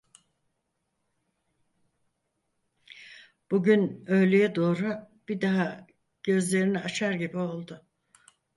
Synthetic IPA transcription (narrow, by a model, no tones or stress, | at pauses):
b̥uɟynø̞jlʲejɛd̪o̞ːɾʊ | b̥id̪aɦa | ɟ̥ø̞zlʲe̞ɾiniat͡ʃʰaɾɟibio̞lˠd̪ʊ